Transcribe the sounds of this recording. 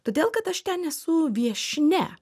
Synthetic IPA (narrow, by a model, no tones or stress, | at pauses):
t̪oːd̪ʲeːlˠkɐt̪ɐʃt̪ʲɛnɛsʊʋʲiɛʃʲnʲɛ̰